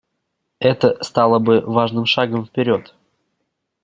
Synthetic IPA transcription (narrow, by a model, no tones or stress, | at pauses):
ɛt̪əst̪alˠəbɨvaʐnɨmʂaɡəmfpʲɪɾʲo̞t̪